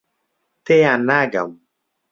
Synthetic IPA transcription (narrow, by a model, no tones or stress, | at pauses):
teanaɡa̰m